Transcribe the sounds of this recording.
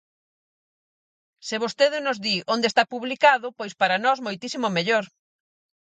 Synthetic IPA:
seβost̪eðɪnʊzðiond̪est̪apuβlikaðʊpojspaɾanɔzmojt̪isimomeʎoɾ

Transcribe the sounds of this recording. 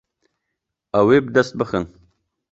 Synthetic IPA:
awebd̪ast̪̚bəxən

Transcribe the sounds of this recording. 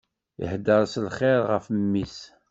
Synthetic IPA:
ə̰ħd̪əɾˤslχɪɾʁəfmːis

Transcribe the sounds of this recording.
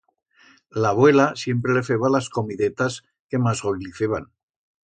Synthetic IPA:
laβwe̞lasje̞mpɾele̞feβalasko̞miðet̪as | ke̞mazɣo̞jliθe̞βa̰n

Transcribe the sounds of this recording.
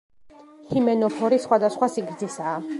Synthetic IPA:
himɛnɔpʰɔɾisχwad̪asχwasiɡɾd̪zisaː

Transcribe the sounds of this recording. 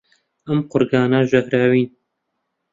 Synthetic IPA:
ɐmqʊɾɡɑːnaʒɐhɾaːwiːn

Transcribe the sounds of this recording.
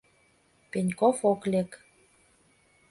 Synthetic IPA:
penʲkofoklek

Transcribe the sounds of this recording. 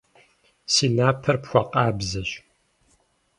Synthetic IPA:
siːnaːpʰɐrpxʷɔqaːbzɐɕ

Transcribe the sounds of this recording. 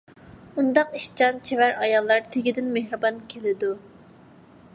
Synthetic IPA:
und̪ɑqiʃt͡ʃɑnt͡ʃʰewæɾɑjɑlˠːɑɾt̪ʰeɡʲid̪ɪnmehɾɨbɑnkʲʰelɪd̪u

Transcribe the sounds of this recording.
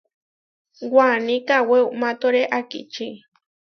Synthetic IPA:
wanĩkaweumãt̪oɾeʔakḭt͡ʃi

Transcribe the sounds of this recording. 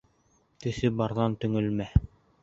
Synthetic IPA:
t̪ɘ̆sɘbɑɾðɑnt̪ɵ̆ŋɵ̆lmæ

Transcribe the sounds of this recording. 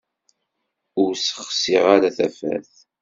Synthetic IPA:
ʊɾsə̥χsiʁaɾaθæfæ̰θ

